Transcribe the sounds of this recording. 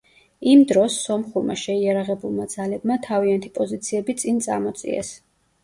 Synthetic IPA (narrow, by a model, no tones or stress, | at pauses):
imd̪ɾɔsːɔmχuɾma̰ʃɛiaɾaʁɛbulˠmad̪zalɛbmat̪ʰaviant̪ʰipʼɔzit̪sʰiɛbit̪sʼint̪sʼa̰ɾmɔt̪sʼḭɛ̰s